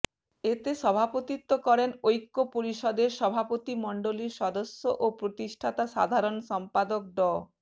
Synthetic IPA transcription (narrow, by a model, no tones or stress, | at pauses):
et̪eʃɔbʱapot̪it̪ːokɔɾenojkːopoɾiʃɔd̪eɾʃɔbʱapot̪imɔɳɖoliɾʃɔd̪osːoʔopɾot̪iʃʈʰat̪aʃa̰d̪ʱaɾonsɔmpad̪ok̚ɖɔ